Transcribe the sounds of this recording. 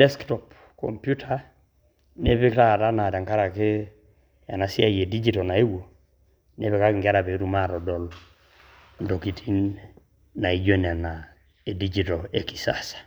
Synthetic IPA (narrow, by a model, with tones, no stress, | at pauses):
dɛ˦sktɔ˨p | kɔ̰˨mpju˦tʰa | ne˦βe˦kɾa˦ɾa˦na˨ɾa˨ŋka˦ɾa˨ke˦ | a̰˨na˨si˦a˦je˨di˦d͡ʒi˦tɔna˨e˦wo˨ | ne˦βe˦ka˦kŋɡa˦ɾa˨βe˨ɾu˦ma˦ɾɔ˨dɔ˨l | ndɔ˨kitʰi˦nː | a˨i˨d͡ʒe˦n˨a˨na˨ | e˨di˦d͡ʒi˦tɔe˨ki̥˨sa̰sḁ˨